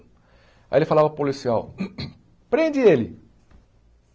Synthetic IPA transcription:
a̰elɪfalavɐpolisiaw | pɾẽnd͡ʒɪelɪ̰

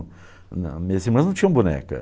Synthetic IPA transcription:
ñ̰mɐzimɐ̃znɐ̃w̃t͡ʃĩɲ̃ɐ̃ũbunɛ̰kɐ̰

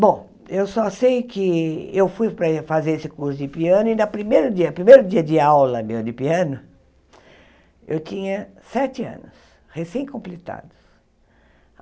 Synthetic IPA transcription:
bõ | ewsɔsejkɪewfujpɾɐfazeɾesɪkuɾsʊd͡ʒdɪpiɐ̃nʊɪnɐpɾimejɾʊd͡ʒiɐpɾimejɾʊd͡ʒiɐd͡ʒɪawlɐmewd̪ɪpiɐ̃nʊ | ḛwt͡ʃ̪ĩɲɐ | sɛt͡ʃɪɐ̰̃nʊs | hesẽj̃kõmplet̪a̰d̪ʊs

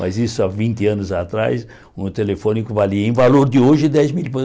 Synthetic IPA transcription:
mɐ̰zisʊavĩnt̪ɪɐ̃nʊzat̪ɾa̰js | ũt̪elefõnikʊvaliɐẽj̃valoɾd̪ɪoʒɪd̪ɛzmilpe

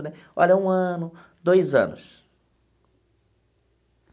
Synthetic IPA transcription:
nɛ | ɔ̰ʎɐũɐ̃nʊ | d̪ojzɐ̰̃nʊ̰s

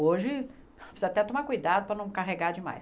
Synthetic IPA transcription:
oʒɪ | oseat̪ɛt̪õmakujd̪ad̪ʊpɾɐnɐ̃w̃kaɦeɡaɾd͡ʒɪma̰j

